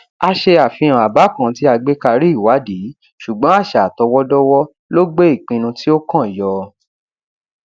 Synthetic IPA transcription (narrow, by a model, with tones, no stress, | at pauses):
a˧ʃe˧a˨fĩ˧ã˨a˨ba˨˦kã˦˨˦ti˦a˧ɡ͡be˦ka˧ɾi˦i˦˨wa˨˦di˨˦ | ʃu˨ɡ͡bɔ̃˨˦a˦˨ʃa˨tɔ˧wɔ˦dɔ˦wɔ˦ | lo˦ɡ͡be˦i˦˨k͡pĩ˧nũ˧ti˦o˦kã˦˨jɔ˧